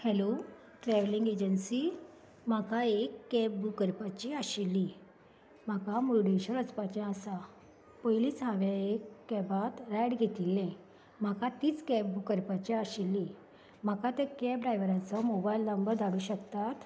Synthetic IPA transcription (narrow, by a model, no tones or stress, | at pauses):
hɛlo | ʈɾɛʋliŋɡed͡ʑənsiː | m̤akaekːɛp̚bukəɾpat͡ɕiaɕilːi | m̤akamuɖiɕəɾət͡spat͡ɕɛ̃asa | pəjliːt͡sɦãʋaekːɛbat̪ɾɛɽɡʱet̪ilːɛ̃ | m̤akat̪iːt͡skɛp̚bukəɾpat͡ɕiaɕilːi | m̤akat̪ɛ̃kɛp̚ɖɾajʋɾat͡sɔmobajlnəmbəɾd̪aɽuːɕəkt̪at̪